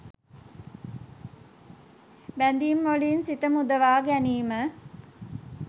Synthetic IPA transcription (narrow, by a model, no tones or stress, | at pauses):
bænd̪iːmːolinsit̪əmud̪əʋaːɡæniːmə